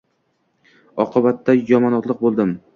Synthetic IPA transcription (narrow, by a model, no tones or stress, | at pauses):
ɒqʰɨbat̪ːajɒmɒnɒt̪lˠɨq̚bolˠd̪ɪm